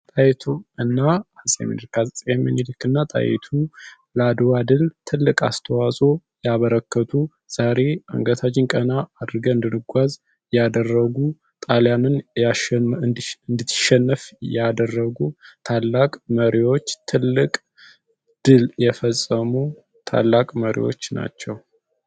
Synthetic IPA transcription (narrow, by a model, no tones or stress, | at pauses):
t̪ʼajɛt̪ʰuɨnːaasʼjɛ̰mḭnlkʰajɛmːɨnilɨkːɨnːat̪ʼa̰jɛ̰t̪ʰu | lad̪wad̪ɨlt̪ʰɨlːɨkʼa̰st̪ʰəwasʼojaβəɾəkːət̪ʰu | z̥aɾe̞ə̰ŋɡət̪ʰad͡ʒɪŋkʼənaːd̪ɨɾɡəɨnd̪ɨnɨɡʷaz | jad̪ərːəɡu | t̪ʼaljanɨna | ɨnd̪ɨt̪ːʃɛnːəfjad̪ərːəɡut̪ʰalːakʼməɾiwo̞t͡ʃːt̪ʰɨlːɨkʼ | d̪̥ɨljɛfəsʼːəmu | t̪ʰa̰lːakʼməɾḭwo̞̰t͡ʃːna̰t͡ʃːɛw